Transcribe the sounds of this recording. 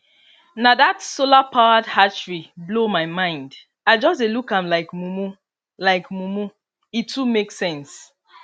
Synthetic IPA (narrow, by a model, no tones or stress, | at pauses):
naðatsolapʰaʊadhat͡ʃɹiblomaɪmãɪ̃nd | aɪd͡ʒɔsdelukãmlaɪkmumu | laɪkmumu | itːumeksɛ̃ns